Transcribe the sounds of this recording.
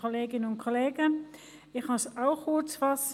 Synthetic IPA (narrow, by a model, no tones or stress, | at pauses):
oleːɡɪnənʊnt̚kʰoleːɡən | ɪxmɑsaʊxut͡sfas